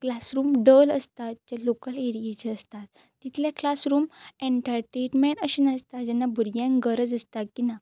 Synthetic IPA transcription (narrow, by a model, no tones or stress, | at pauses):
klasɾuːmɖələst̪at͡ɕalokəleɾiet͡ɕeəst̪at̪ː | it̪ʰljaklasɾuːmẽɳʈaɾʈɾeʈmeɳʈəɕinast̪ad͡ʑɛnːabʱuɾɡãŋɡəɾəd͡zəst̪akina